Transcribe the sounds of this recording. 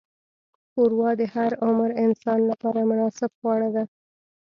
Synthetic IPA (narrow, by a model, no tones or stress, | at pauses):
xoɾwɑd̪əhaɾʊmɾɪnsɑnlapɑɾamʊnɑsɪbɣwɑɽad̪a